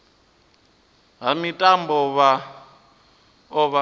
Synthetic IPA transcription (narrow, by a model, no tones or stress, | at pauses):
ɦamitʼambɔβa | ɔβa